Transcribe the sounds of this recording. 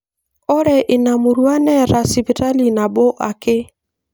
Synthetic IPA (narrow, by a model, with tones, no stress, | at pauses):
ɔ˦ɾɛ˨ʔɪ˨na˨mu˨ɾwa˦nɛ˦ɾa˨si˨pi˨ta˦li˨na˨bɔ˦ʔa̰˨kɪ˦